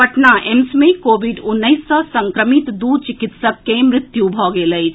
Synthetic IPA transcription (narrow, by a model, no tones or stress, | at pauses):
pəʈnaʔemsmẽkoːbiɖʊnːəjsːɔsə̃ŋkɾəmit̪d̪ut͡ʃikit̪səkːemɾɪt̪jubʱɔɡeləjʰ